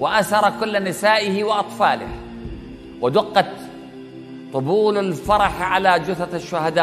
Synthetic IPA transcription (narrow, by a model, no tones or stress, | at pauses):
wɪʔasɑɾˤɑkʊlːnɪsaːʔɪhɪwɪʔɑt̪ˤfɑːlɪ̰h | wɪd̪ʊqːɑt̪ | t̪ˤːʊbuːlalfɑɾˤɑħʕalad͡ʒʊθaaʃːʊhad̪aː